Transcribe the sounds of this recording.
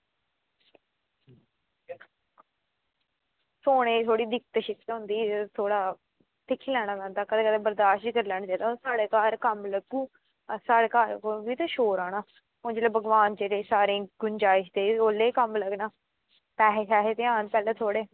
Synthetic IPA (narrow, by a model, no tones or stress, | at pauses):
soːɽ̃ẽːt̪ʰoːɽiːd̪ɪkt̪ʃɪkːɦʊ̃nd̪iːt̪ʰoːɽaː | t̪ʰɪkʰːiːlɛːɽ̃aːkɛ̃ːnd̪aːkəd̪eːkəd̪eːbəɾd̪aːʃikəɾlɛːɳd͡ʒaːd̪asaːɽeːkaːɾkəmləɡuː | saːɽeːkaːɾkobiːt̪aːʃoːɾaːɽaː | ʊnd͡ʒeːleːbəɡʋaːnd͡ʒeːɽeːsaːɾẽːɡʊnd͡ʒaːɪʃd̪eːoːlːeːkəmləɡnaː | pɛːɦeʃaːɦeːt̪eːãːnpɛːleːt̪ʰoːɽeː